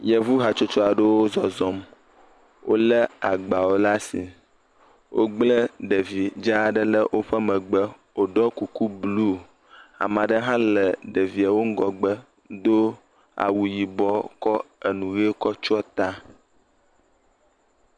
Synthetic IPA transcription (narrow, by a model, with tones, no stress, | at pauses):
jɛ˦vu˦ɦa˨t͡ʃo˦t͡ʃɔ˦a˨ɖə˦wo˦zɔ˨zɔ˦m | wʔo̰˦lə˦a˨ɡ͡ba˨wo˦la˦si˨ | wʔo˦ɡ͡blə˦ɖə˨vi˨d͡ʒa˦ɖə˦lə˦wʔo˦ɸə˦mə̃˨ɡ͡bə˦ | wo˨ɖɔ˦ku˨ku˦blu˦˨ | a̰˨mã˨ɖə˦ɦã˦lə˨ɖə˨vi˨a˨wo˦ŋ̩˦ɡɔ˨ɡ͡bə˦ | d̪o˦ | a̰˨wu˨ji˨bɔ˦kɔ˦ə˨nũ˨ɣe˦kɔ˦t͡ʃɔ˦t̪a˦